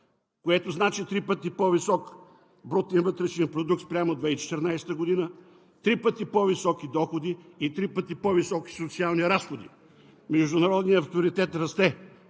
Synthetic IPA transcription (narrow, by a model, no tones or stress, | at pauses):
koɛt̪oznat͡ʃit̪ɾipət̪ipɔvisɔk | bɾɔt̪invət̪ɾɛʃnipɾod̪uk̚t̪spɾʲamod̪vɛit͡ʃɛ̥t̪əɾnajsɛ̥t̪əɡod̪inə | t̪ɾipət̪ipɔvisɔkid̪ɔxod̪iːt̪ɾipət̪ipɔvisɔki̥sot̪sialˠniɾasxod̪ḭ | mɛʒd̪ʊnɐɾɔd̪niəɐft̪oɾit̪ɛt̪ɾɐst̪ɛ